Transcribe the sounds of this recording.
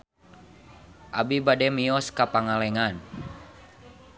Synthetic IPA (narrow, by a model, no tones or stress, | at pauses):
ʔabibadɛmiɔskapaŋalɛŋan